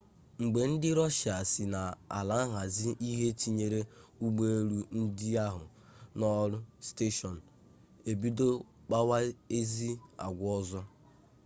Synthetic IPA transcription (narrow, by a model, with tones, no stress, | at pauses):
ŋ͡m̩˨ɡ͡be˨n̩˦dɪ˦ɾɔ˦ʃa˨sɪ˨na˨a̰˨la˨˦ɦa˨zi˦ʔi˦ɦe˦t͡ʃi˦ɲe˦ɾe˦u˦ɡ͡be˦e˦ɾu˦n̩˦dɪ˦a˦ɦʊ̰˨ | nɔ˦ɾʊ˦ste˦ʃɔ˨n̩˨ | e˨bi˦do˦ | k͡pa˦wa˦e˦zi˦a̰˨ɡʷɔ˦zɔ˦